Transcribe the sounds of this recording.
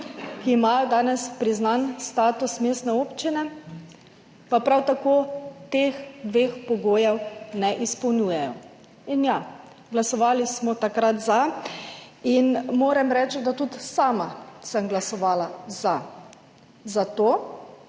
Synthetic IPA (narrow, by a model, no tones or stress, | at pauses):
kiːmaːjɔd̪aːnɛspɾiznanst̪aːt̪usmeːst̪nɛoːpt͡ʃinɛ | papɾawt̪akoːt̪eːxd̪ʋeːxpɔɡoːjɛwnɛʔispɔwnjuːjɛjɔ | inja | ɡlasɔʋaːlismɔt̪akɾat̪za | inmoːɾɛmɾɛt͡ʃd̪at̪ut̪saːmasəmɡlasɔʋaːlaza | zat̪oː